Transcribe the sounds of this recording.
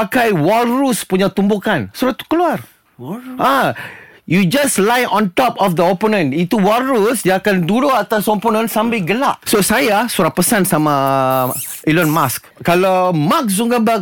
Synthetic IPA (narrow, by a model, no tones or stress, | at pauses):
akajwalɾuspuɲat̪umbukansuɾat̪u̥kəluar | ʔa | jud͡ʒaslajɔ̃nt̪ɔpɔfd̪əoponə̃nit̪uwalɾusdiaakanduɾoat̪askɔ̃mponə̃nsãmbaɡəlaʔsosajasuɾapəsansamã | ʔilɔnmaskkalamak̚ssuŋɡamba